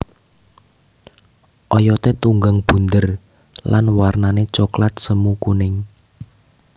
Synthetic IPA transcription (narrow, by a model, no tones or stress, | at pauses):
ʔɔjɔt̪et̪uŋɡəŋb̥ṳnd̪ər | lanwarnanet͡ʃɔklat̪̚səmukunɪŋ